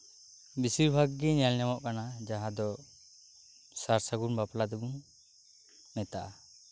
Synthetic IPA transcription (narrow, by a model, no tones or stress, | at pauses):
bisiɾbʱaɡːɛɲalɲamɔʔkanad͡ʒaɦãd̪ɔ | saɾsaɡunbaplad̪ɛbuŋ | ɛt̪aʔa